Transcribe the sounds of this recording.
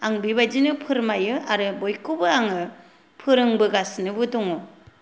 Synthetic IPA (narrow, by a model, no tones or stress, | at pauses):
aŋbibajd͡ʒinɯpʰɯɾmajɯʔaɾɯbojkʰubɯaŋɯ | pʰɯɾɯŋbɯɡasnɯbɯdɔŋɔ